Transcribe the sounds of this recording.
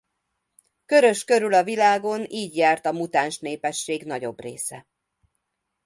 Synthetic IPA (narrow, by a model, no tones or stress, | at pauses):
køɾø̞ʃkø̞ɾylɒvilaːɡo̞niːɟjaːrt̪ɒmut̪aːnʃneːpɛʃːeːɡn̪ɒɟo̞brḛːsɛ